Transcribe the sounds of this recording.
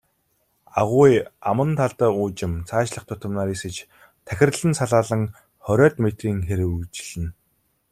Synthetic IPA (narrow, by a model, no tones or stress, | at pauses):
aʁʊːjamə̆nt̪ʰaɮt̪əːuːt͡ɕɪ̆mt͡sʰaːt͡ɕɮə̆χt̪ʰʊt̪ə̆mnaːɾesɘ̆t͡ɕ | t̪ʰæxʲɪ̆rɮɘ̆nsaɮaːɮə̆ŋ | χœɾʲœːt̪met̪riːŋxeɾɘ̆ut͡ɕɪ̆ɮɘ̆n